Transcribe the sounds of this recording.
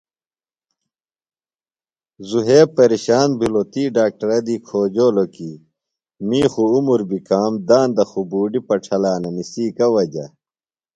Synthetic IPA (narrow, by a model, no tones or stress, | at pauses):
zuɦeːpɐɾiɕaːnbʱilot̪iːɖaːk̚ʈɐɾɐd̪iːkʰoːd͡ʑoːloki | miːxuumuɾbikaːmd̪aːnd̪ɐxubuːɖipɐʈʰɐlaːnɐmisiːkɐwɐd͡ʑɐ̰